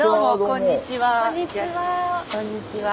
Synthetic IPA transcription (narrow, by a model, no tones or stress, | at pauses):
omokõɲːit͡ɕiβaiakõɲːit͡ɕiʋa